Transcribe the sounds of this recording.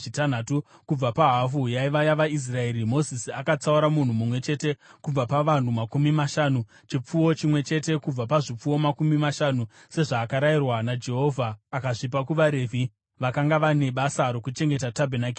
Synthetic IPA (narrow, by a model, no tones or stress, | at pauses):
itan̤atukub͡vapaɦafujaiʋajaʋais̬rae̞ːɾimo̞zisiakat͡sauɾamun̤umumwe̞t͡ʃe̞te̞kub͡vapaʋan̤umakumimaʃaːnu | t͡ʃip͡fuwo̞t͡ʃimwe̞t͡ʃe̞te̞kub͡vapaʐip͡fuwo̞makumimaʃanu | se̞ʐaːkaɾairwanad͡ʒe̞ɦo̞vʱaːkaʐip̬akuʋaɾe̞ːvʱi | ʋakaŋɡaʋane̞ɓasaɾo̞kut͡ʃe̞ŋɡe̞tatabʱenaki